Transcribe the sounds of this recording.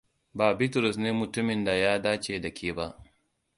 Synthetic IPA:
baː˨bɪ˦tɾɔ˨sneː˦mʊ˨tʊ˦mɪ˨nda˨jaː˦daː˦t͡ʃeː˨dɐ˨kʲʰeː˦ba˦ʔ

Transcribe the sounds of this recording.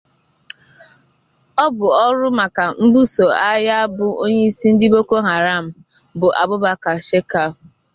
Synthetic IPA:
ɔ˦bʊ˨ɔ˦ɾʊ˦ma˨ka˨m̩˦bu˦so˨a˦ja˦a˦bʊ˦o˦ɲe˦i˦si˦n̩˦dɪ˦bo˦ko˦ɦa˨ɾa˦˨m̩˨ | bʊ˨ʔa̰˨bʊ˦ba˦ka˨ʃe˦ka˦ʊ˨

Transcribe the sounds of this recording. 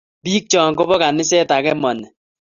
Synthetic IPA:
pi˦k̚t͡ʃɔː˨ŋko˦bɔ˦ka˨nɪ˦sɛ˦ta˨kɛ˦mɔ˨nɛ˨

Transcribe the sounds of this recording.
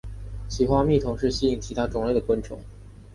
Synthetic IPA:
t͡ɕʰi˨˩xwa˥mi˥˩t̪ʰʊ˧˥ŋʂɻ̩˥˧ɕi˥i˥˩ŋt͡ɕʰi˧˥t̪ʰa˥ʈ͡ʂʊ˨˩ŋle˥˩ɪd̪ə˩kwə˥nʈ͡ʂʰʊ̰˧˥ŋ

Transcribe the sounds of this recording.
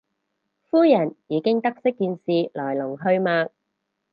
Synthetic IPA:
fuː˥jɐ˨˩njiː˨˧kɪ˥ŋt̪ɐ˥k̚sɪ˥kːiː˧nsiː˨lɔː˨˩jlʊ˨˩ŋɦɵ˧ɥmaː˧k̚

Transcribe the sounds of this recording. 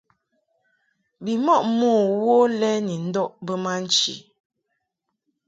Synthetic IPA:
bi˨mɔ˦˨ʔmoː˦˨wo˦lɛ˦ni˨n̩˦dɔ˦˨ʔbə˦ma˦n̩˦t͡ʃḭ˨

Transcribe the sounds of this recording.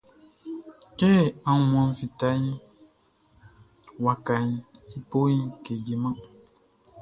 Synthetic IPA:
ke˦˨ã˨˦mɔ̃˨n˦fi˨ta˦ɲi˦ | wa˨ka˨ɲ˦i˦po˦ɲi˦ke˨ɡi˨mã˦

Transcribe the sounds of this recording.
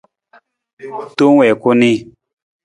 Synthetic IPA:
to˦ŋ˦wɛ˨ko˦ni˦

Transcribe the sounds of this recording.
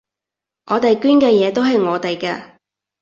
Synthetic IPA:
ŋʔɔː˨˧t̪e˨jkyː˥nkɛː˧jɛː˨˧t̪o˥wɦɐ˨jŋɔː˨˧t̪e˨jkɛː˧

